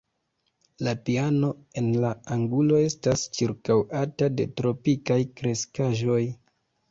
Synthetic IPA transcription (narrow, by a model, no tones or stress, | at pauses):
lapiano̞e̞nlaaŋɡulo̞e̞stast͡ʃiɾkawatade̞̰tɾo̞pikajkɾe̞skaʒo̞j